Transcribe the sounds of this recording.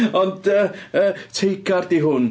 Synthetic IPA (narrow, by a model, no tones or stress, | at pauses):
ɔndəəːtʰejkʰardiɦʊn